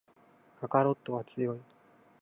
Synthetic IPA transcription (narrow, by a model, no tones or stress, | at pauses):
kakaɾo̞t̪ːo̞βat͡sɨjo̞i